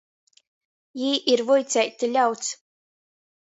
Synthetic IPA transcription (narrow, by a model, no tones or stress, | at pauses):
jiːʔiɾvujt̪sʲɛjt̪ɨlʲawt̪s